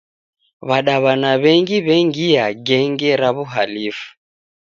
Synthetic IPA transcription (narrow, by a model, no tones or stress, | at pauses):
βaɗaβanaβɛŋɡiβɛŋɡiaɡɛŋɡɛɾaβuɦalifu̥